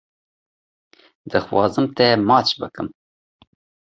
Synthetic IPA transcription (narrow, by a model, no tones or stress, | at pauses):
d̪̥ɨxwɑ̰ːzɨmt̪ʰɛmɑːt͡ʃbɨkɨm